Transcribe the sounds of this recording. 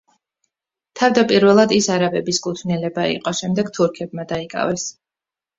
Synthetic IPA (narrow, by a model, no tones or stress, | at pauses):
t̪ʰavd̪apʼiɾvɛlˠad̪isaɾabɛbiskʼut̪ʰvnilɛbaḭqʼɔʃɛmd̪ɛɡt̪ʰuɾkʰɛbmad̪aikʼa̰vɛs